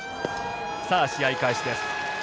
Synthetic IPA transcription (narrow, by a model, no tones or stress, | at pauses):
saːɕiaikaiɕid̪e̞sɨ̥